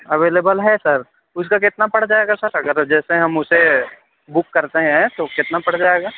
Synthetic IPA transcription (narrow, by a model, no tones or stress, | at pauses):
ɐʋeːleːbəlɦɛsɐɾ | ʊskakɪt̪napɐɽ̤d͡ʒaːeːɡasɐɾɐɡəɾd͡ʒɛːseɦɐmʊse | bʊkːɐɾt̪eɦɛ̃t̪okɪt̪napɐɽ̤d͡ʒaːeːɡaː